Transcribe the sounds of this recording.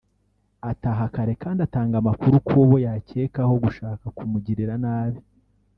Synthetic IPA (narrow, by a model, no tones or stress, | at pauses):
ataɦakaɾe̞kaːndataːŋɡamakuɾukʰoβo̞jace̞ːkaho̞ɡuʃaːkakumuɟiɾiɾanaːβi